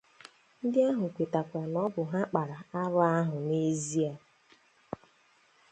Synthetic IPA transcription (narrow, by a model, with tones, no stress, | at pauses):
n̩˦dɪ˦a˦ɦʊ˨kʷe˨ta˨kʷa˨nɔ˦bʊ˨ɦa˦k͡pa˨ɾa˨a˦ɾa˦a˦ɦʊ˨ne˦zi˦a˨